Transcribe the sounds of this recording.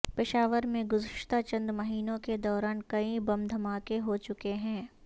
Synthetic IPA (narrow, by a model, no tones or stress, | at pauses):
pɪʃaːʋəɾmẽɡʊzɪʃt̪at͡ʃɐ̃nd̪mɐɦiːnõked̪ɔːɾaːnkɐĩbɐ̃md̪ʱɐmaːkeɦot͡ʃʊkeɦɛ̃ː